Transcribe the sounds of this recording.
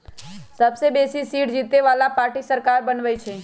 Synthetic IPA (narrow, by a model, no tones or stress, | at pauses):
səbsebeːsisiːʈd͡ʒiːt̪eʋaːlapaːɾʈisəɾkaːɾbənʋəjt͡ʃʰe